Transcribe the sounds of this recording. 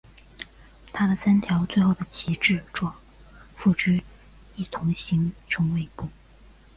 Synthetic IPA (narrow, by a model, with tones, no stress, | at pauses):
t̪ʰa˥d̪ə˨sa˥nt̪ʰjɑ˧˥ʊt͡swe˥˧ɪxo˥˩ʊd̪ə˩t͡ɕʰi˧˥ʈ͡ʂɻ̩˥˩ʈ͡ʂwɔ˥ | fu˥˩ʈ͡ʂy˥ | i˥˩t̪ʰʊ˧˥ŋɕi˧˥ŋʈ͡ʂʊ˧˥ŋwe˥˧ɪpu˥˩